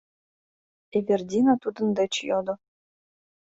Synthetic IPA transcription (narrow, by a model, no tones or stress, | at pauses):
evʲerd̪ʲinat̪ud̪ɤ̆nd̪ɤ̆t͡ɕjod̪ŏ